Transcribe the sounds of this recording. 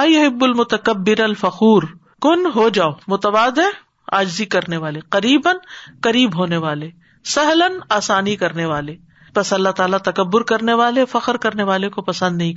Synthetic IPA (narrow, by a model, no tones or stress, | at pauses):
ɐjʊɦɪbːʊlmʊt̪ɐkɐbːɪɾɐlfɐxuːɾ | kʊnɦod͡ʒaːomʊt̪ɐʋaːd̪e | a̰ːd͡ʒzikɐɾneʋaːleqɐɾiːbənqɐɾiːbɦoːneʋaːle | sɐɦlənaːsaːnikɐɾneʋaːle | bɐsɐlːaɦt̪aːlat̪ɐkɐbːʊɾkɐɾneʋaːlefɐqəɾkɐɾneʋaːlekopɐsə̃nd̪nɐɦĩ